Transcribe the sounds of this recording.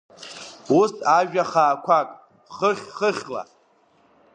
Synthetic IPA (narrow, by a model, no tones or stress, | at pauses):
usaʒᶣaχaːkʷʰakʼ | χəχʲχəχʲla̰